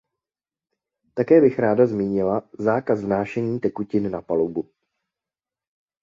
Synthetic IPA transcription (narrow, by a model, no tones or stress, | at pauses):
t̪akɛːbɪxɾaːdazmiːɲɪlazaːkazvnaːʃɛɲiːt̪ɛkucɪnnapalowbu